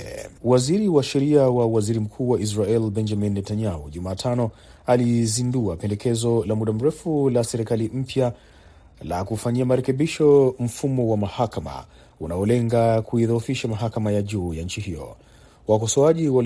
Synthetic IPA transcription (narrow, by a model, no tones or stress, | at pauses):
waziɾiwaʃɛɾiawawaziɾim̩kʰuːwaʔis̬ɾaɛlbɛnd͡ʒaminːɛtaɲauʄumaːtʰanɔ | alizinduapɛndɛkʰɛzɔlamuɗam̩ɾɛfulasɛɾikalim̩pja | la̰kufaɲiamaɾɛkɛɓiʃɔm̩fumɔwamahakama̰ | unaɔlɛŋɡakuiðɔufiʃamaɦakamajaʄuːjanɲ̩t͡ʃihijɔ̰ | wakɔsɔaʄiwa